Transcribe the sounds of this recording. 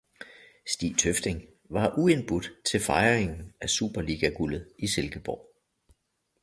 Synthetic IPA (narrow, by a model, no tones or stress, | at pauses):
sd̥ḭːt͡sʰøfd̥e̝ŋ | ʋɑ̈ʔue̝nb̥ud̥t͡sʰe̝lfɑ̈ɪʁeŋn̩æsṵːb̥ɐliːɡ̥æɡ̥ulð̩ˠiselɡ̥əb̥ɒʊ